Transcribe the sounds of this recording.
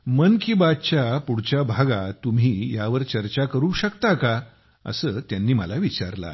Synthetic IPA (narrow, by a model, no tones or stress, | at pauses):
mənkiːbat̪̚t͡ɕjapuɽ̤t͡ɕjabʱaɡat̪um̤iːjaʋəɾt͡ɕəɾt͡ɕakəɾuɕəkt̪aka | ə̰səːt̪janːiːməlaʋit͡ɕa̰ɾla̰